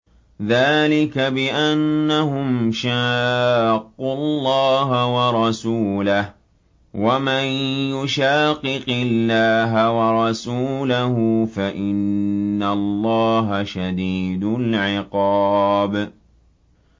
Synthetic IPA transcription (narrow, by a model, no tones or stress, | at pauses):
ðaːlɪkabɪʔanːahʊmʃaːqːʊlˤːɑːɦawɑɾˤɑsuːlah | wamanjʊʃaːqːɨqɪlːaːɦawɑɾˤɑsuːlahʊfaʔɪnːalˤːɑːɦaʃad̪iːd̪ʊlʕɪqɑːb